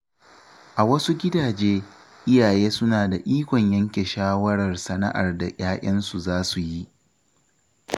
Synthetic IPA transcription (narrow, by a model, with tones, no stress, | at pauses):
ʔa˨wɐ˦su˦ɡʲɪ˦daː˨d͡ʒeː˦ | ʔɪ˦jaː˨jeː˦sʊ˦naː˨da˨ʔiː˦kʷɔ˨ɲjɐ˦ŋkʲe˨ʃaː˦wɐ˦ɽɐ˨rsɐ˦nɐ̰˦ʔa̰˨rda˨ʔʲaː˦ʔʲɐ˦nsu˨zaː˦su˨ji˦ʔ